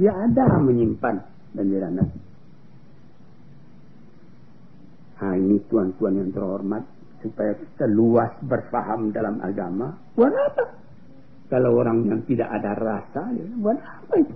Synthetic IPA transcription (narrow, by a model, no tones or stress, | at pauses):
diaːdaməɲimpan | bandiɾanat̪̚ | hainit̪uant̪uanjaŋt̪ərhɔrmat̪̚ | supajaki̥t̪aluasbərfaɦamdalamʔa̰ɡamat̪uanapa | kalawoɾaŋjaŋt̪ida̰ʔadarasaja̰buat̪apait̪u̥